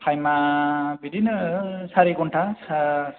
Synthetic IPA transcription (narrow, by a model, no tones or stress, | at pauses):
pʰajmabidinɯsaɾikɔntʰasa